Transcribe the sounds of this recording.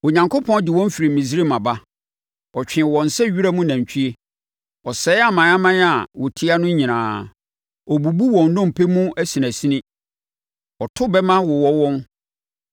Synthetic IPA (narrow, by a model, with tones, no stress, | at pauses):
o˨ɲã˨ŋkʰo˦pʰɔ̃˦n˦dɪ˨wɔ̃˦m˦fi˨ɾi˨mĩ˨s̬ɾi˦˨mã˨ba˦ | ɔ˨t͡ɕᶣɪ̃˨wɔ̃˨n˨sɛ˦ɥi˦ɾa˦mʊ̃˦næ̃˨ɲ˨t͡ɕʰᶣi˦e˦ | ɔ˨sɛː˨˦a˨mã˨˦a˦mã˦n˦a˨wɔ˨tʰɪ˦a˦nʊ̃˦ɲĩ˨nãː˨ | ɔ˨bu˨bu˦wɔ̃˨n˦dɔ̃˦m˨pʰe˦mũ˦æ˦si˨næ̃˨si˦nɪ̃˦ | ɔ˨tʰʊ˦bɛ˦mã˦wɔ˨wɔ˦wɔ̃˦n